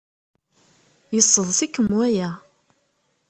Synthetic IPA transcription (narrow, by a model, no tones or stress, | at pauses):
jəsˤːəðˤsikːəmːuæjæ